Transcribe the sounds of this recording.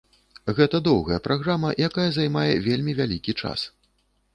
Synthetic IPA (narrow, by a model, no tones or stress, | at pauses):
ɣɛt̪ɐd̪ɔwɣɐjɐpɾaɣɾamɐjakajɐzajmajɛvʲelʲmʲivʲalʲikʲit͡ʂa̰s